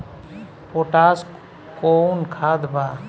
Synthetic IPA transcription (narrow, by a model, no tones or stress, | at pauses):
poʈaːs | konkʰaːd̪ba